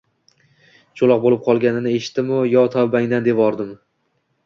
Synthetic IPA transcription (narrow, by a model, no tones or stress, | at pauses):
t͡ʃʰolˠɒq̚bolɪp̚qʰɒlˠɡʲanɪnɪe̞ʃɪ̥t̪d̪ɪmʊjɒt̪ʰɒbaŋd̪and̪e̞pɒɾd̪ɪm